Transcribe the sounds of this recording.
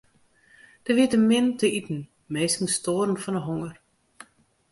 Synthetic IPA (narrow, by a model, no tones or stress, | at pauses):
d̥əʋiətəmɪntəitn̩ | meːskn̩stoːrn̩fɔnəɦoŋər